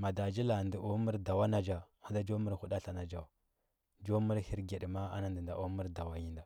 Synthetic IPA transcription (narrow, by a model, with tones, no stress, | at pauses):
ma˨da˨d͡ʒi˦la˨ndi˨o˦mi˦ɾda˨wa˦na˨d͡ʒa˨ | a˦da˦d͡ʒo˦mə˦ɾhu˦ɗa˦ɬa˨na˨d͡ʒa˨ | d͡ʒo˦mu˦ɾhi˦ɾɡe˨ɗma˦a̰˦na˨ndi˨nda˨ʔo˦mu˦ɾda˨wa˨ji˦nda˨